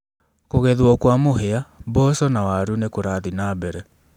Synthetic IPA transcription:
koɣɛðwɔkwamoheabɔsɔnawaɾunekoɾaðinaːbɛɾɛ

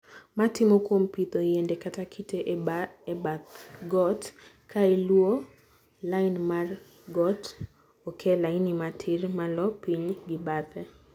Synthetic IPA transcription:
matɪmokwompit̪ojendekatakʰitʰeʔ | at̪ɡɔt | kʰaelwo | laɪnmar | ɡɔt | okʰɛlainimatʰɪrmalɔpiɲɡɪbat̪ɛ

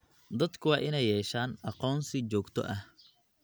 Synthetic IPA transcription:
d̪ɐd̪kʰʊwɑːʔɪnɛjːɛːʃaːnɑqɔːnsɪt͡ʃɔːɡt̪ʰɔ̰ʔɐh

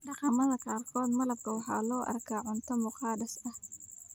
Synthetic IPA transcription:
ɖɑqɑmɐðɐkɑːrkʰɔːd̪mɐlɐb̚kʰɐwɑħɑ̰ːlɔːʔɐ̰rkʰaːʕʊnt̪ʰɔmʊqɑːdɐsɐh

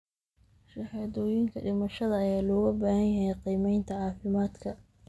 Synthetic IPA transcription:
ʃɑħɑðɔːjɪŋkʰɐɖɪmɐʃɐðɐːjaːlɔːɣɐbaːhɐnjɐɦɛjqiːmɛjnt̪ʰɐʕɑːfɪmaːd̪kʰɐ

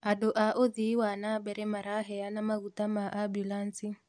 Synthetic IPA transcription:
adoʔaʔoðiwanabɛɾɛmaɾaɦɛanamaɣutamaʔabulansi

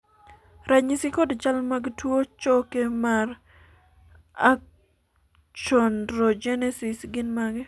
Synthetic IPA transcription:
ɾaɲɪsɪkodt͡ʃalmaɡtwot͡ʃɔkemar | ak̚ | t͡ʃɔndɾod͡ʒɛnɛsɪsɡɪnmaɡɛ

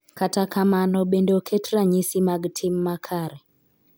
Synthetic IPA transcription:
katakamanɔɓendokʰetɾaɲisimaɡtʰimːakʰaɾɛ

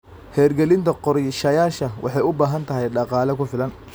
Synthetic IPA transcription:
hɛːrɡɛlɪnt̪ʰɐqɔɾɛʃɐjaːʃɐwʔɑ̰ħɑjʊbaːɦɐnt̪ʰɐɦɛjɖɑqɑːlɐkʰʊfɪlɐn

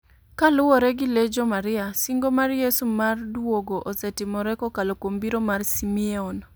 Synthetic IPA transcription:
kalʊwɔɾɛɡɪled͡ʒɔmaɾɪasiŋɡomarjesumardwoɡoʔɔsɛtɪmɔɾɛkɔkalokwombiɾomarsimieɔn

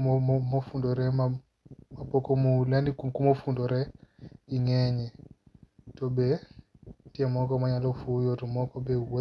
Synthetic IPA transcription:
ɔmɔmɔfundɔɾɛma | mapɔkɔmulandikukumɔfundɔɾɛ | iŋɛɲɛ | tɔbɛ | tiɛmɔkɔmaɲalɔfujɔtɔmɔkɔbɛwɔ

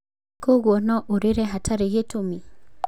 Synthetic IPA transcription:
koɡwɔnɔʔoɾeɾɛɦatʰaɾejetomi

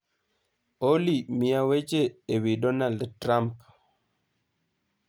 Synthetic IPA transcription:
olimiawet͡ʃeːwidɔnaldtɾamp

